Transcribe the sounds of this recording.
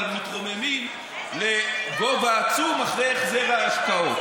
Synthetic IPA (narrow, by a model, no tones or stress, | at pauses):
lmit̪ʁo̞memim | le̞ɡo̞vaːt͡sumaχleaχzeʁaaʃkao̞t